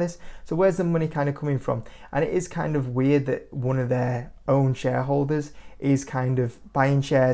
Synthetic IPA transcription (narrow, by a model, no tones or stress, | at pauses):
ðɪssoʊwəzðəmʊnikʰãɪ̃ndə̥kʰʊ̃mɪ̃ŋfɹə̰̃mʔə̰̃ñɪʔɪz̥kʰãɪ̃ndəvwɪəd̪̚ðəʔwʌ̃nəvðəʔõʊ̃nʃɛːɦoʊlˠdəzʔɪz̥kʰãɪ̃ndəvb̥aɪɪ̃ŋʃɛː